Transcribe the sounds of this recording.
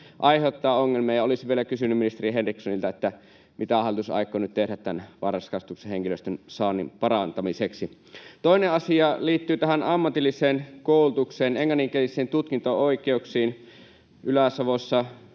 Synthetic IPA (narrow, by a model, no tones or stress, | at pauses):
ʔɑiheot̪ːɑːoŋːelmiɑːjɑolisʋielækysynːyminist̪eɾiɦenriksonilt̪æet̪ːæ | mit̪æɑˑlt̪usɑ̰ˑikːˑonyt̪t̪ehɾæt̪t̪ænʋɑrskɑst̪ukseheŋkiløst̪ønsɑːnːimpɑrɑnt̪ɑmiseksi | t̪oineɑsiɑliːt̪ːyːt̪æhænɑmːɑt̪ilːiseːnkoˑulut̪ukseːneŋːɑnːiŋkelisˑeːnt̪ut̪kint̪ooikeuksiːn | ʔylæsɑʋosːɑ